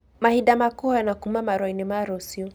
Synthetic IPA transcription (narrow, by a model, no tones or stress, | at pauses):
mahiɗamakɔanakumamaɾɔinimaɾɔsiɔ